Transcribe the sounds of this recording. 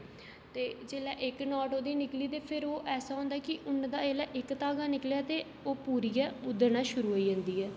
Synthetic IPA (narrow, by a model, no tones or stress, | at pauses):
t̪eːd͡ʒeːlaːʔɪknɔːʈoːd̪iːnɪkliːt̪eːpʰɪɾoːʔɛːsaːɦõːnd̪aːkɪʔʊnd̪aːd͡ʒeːlaːʔɪkt̪aːɡaːnɪkljaːt̪eː | oːpuːɾiːjaːʊd̪əɾnaːʃʊɾuːɦoːiːd͡ʒə̃ːnd̪iːɦɛː